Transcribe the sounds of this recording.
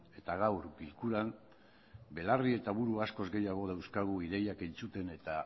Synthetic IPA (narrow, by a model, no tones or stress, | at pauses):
e̞t̪aɣ̞awɾɡilkuɾam | be̞larie̞t̪aβuɾuasko̞zɡe̞jaɣ̞o̞ð̞awskaɣuið̞e̞jake̞nt͡sut̪e̞ne̞t̪a